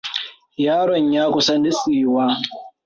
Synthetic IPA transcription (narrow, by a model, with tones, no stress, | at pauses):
jaː˦ɽɔ˨ɲjaː˦kʷʊ˦sɐ˦nɪ˦sʼiː˨waː˦